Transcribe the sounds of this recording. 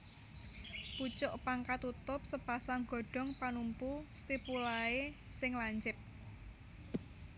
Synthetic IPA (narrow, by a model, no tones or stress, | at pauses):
put͡ʃʊʔpaŋkat̪ut̪ʊp̚səpasaŋɡ̥ɔ̤ɖ̥ɔ̤ŋpanumpust̪ipulaesɪŋlaɲt͡ʃɪp̚